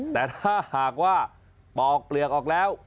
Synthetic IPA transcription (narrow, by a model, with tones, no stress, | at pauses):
t̪ɛː˨˩t̪ʰaː˥˩haː˨˩k̚waː˥˩ | bɔː˨˩k̚pli˨˩ək̚ʔɔː˨˩k̚lɛː˦˥w